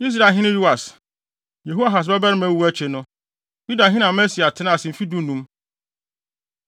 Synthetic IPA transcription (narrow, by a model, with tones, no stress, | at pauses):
i˦s̬ɾa˦˨ɦɪ̃˦nɪ̃˦ju˦a˨s | je˨ɦu˦a˦˨ɦa˨s̬bɛ˦ba˦ɪ˦mæ̃˦wu˦æ˦t͡ɕʰe˨nʊ̃˦ | ju˦da˨ɦɪ̃˦nã˨mɛ˦si˨a˨tʰɪ˦nã˦˨sɪ̃˨fi˦dũ˦nũ˦m